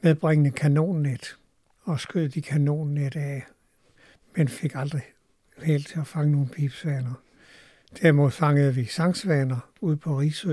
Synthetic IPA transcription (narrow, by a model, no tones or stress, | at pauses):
meðˠb̥ʁeŋənəkʰæno̝̰ːnːed̥ | ɒ̽sɡ̥øð̰ˠd̥ikʰæno̝̰ːnːed̥æ | menfe̝ɡ̥ɑ̈ld̥ʁi | hel̰t͡sʰe̝æfɑ̈ŋəno̝ːn̩pʰib̥sʋɛːnɐ | d̥æɐ̰mo̝ð̰ˠfɑ̈ŋəð̩ˠʋisɑ̈ŋsʋɛnɐ | uð̞̰ˠpʰɒ̽ʁisø